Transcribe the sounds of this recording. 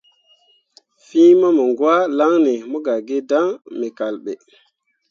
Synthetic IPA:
fi˦ma˦mə˨ŋɡwa˦la˦ŋne˨mo˦ɡa˨ɡe˦da˦ŋmi˨ka˨lɓḛ˨

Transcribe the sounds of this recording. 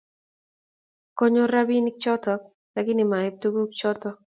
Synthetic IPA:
kɔ˦ɲo˦ɾa˦bi˦ni˦k̚t͡ʃɔ˦tɔ˦ | lɛ˨kɪ˦nɪ˨ma˨ɛ˨˦p̚tu˦ɡu˦kt͡ʃɔ˦tɔ˦

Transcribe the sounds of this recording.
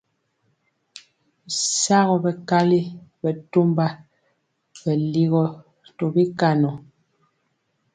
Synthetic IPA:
sa˦ɣɔ˨bɛ˨ka˦li˦bɛ˨tu˦mba˦ | bɛ˨li˦ɣɔ˦ | tɔ˨bi˦ka˦˨nɔ˨

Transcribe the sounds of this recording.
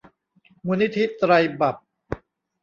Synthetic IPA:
muː˧ni˦˥t̪ʰi˦˥t̪ɾa˧jba˨˩p̚

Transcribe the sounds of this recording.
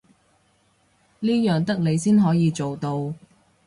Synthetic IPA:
liː˥jœː˨˩ŋt̪ɐ˥k̚le˨˧jsiː˥nɦɔː˨˥jiː˨˧t͡so˨wt̪o˧w

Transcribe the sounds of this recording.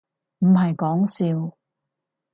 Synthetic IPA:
m̩˨˩ɦɐ˨jkɔː˨˥ŋsiː˧w

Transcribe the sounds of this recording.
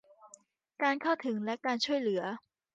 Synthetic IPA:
kaː˧nkʰa˥˩wt̪ʰɯ˩˦ŋlɛ˦˥kaː˧nt͡ɕʰu˥˩əjlɯ˩˦ɐ

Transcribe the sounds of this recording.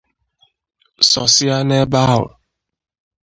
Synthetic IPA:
sɔ˨sɪ˦a˦ne˦ba˦ɦʊ̰˨

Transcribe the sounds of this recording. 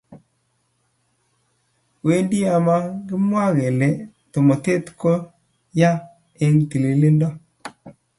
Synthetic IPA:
we˦ndi˦a˨ma˦ɡɪ˦mwa˦ɣe˨le˨ | to˨mo˨t̪e˦t̪ko˦ | ja˦ | e˦ŋt̪i˨li˨li˦ndɔ˦

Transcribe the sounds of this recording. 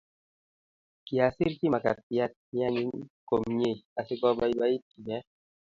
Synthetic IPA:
ki˨a˨si˦ɾki˦ma˨ka̰˨pja˦t̚mi˦a˦ɲi˦ŋko˨mɲe˦˨a˨sɪ˦kɔ˦ba˦i˦ba˦i˦t̚ki˨ɲɛ˦

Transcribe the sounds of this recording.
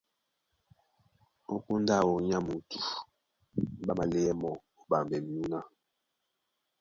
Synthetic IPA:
o˦ku˦nda˦˨wo˨˦ɲa˦mu˨tu˨˦ | ɓa˦ma˨le˦ɛ˦mɔ˨ | o˦ba˨mbɛ˨m˦u˦na˦

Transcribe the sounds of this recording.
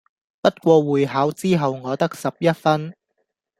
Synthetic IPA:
pɐ˥t̚kʷɔː˧wuː˨˩jɦaː˨˥wt͡siː˥ɦɐ˨wŋɔː˨˧t̪ɐ˥k̚sɐ˨p̚jɐ˥t̚fɐ˥n

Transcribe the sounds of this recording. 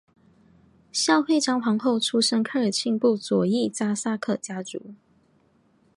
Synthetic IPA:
ɕjɑ˥˧ʊfe˥˩ɪʈ͡ʂɑ˥ŋxɑ˧˥ŋxo˥˨ʊʈ͡ʂʰu˥ʂə˥ŋkʰa˥˩ə˞˨˩t͡ɕʰi˥˧ŋpu˥˩t͡swɔ˨˩i˥˩t͡sa˥˩sa˥˧kʰɤ˥˩t͡ɕja˥t͡sṵ˨˧˦

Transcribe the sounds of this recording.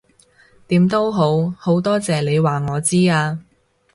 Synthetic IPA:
t̪iː˨˥mt̪o˥wɦo˨˥who˨˥wt̪ɔː˥t͡sɛː˨le˨˧jwaː˨ŋɔː˨˧t͡siː˥aː˧

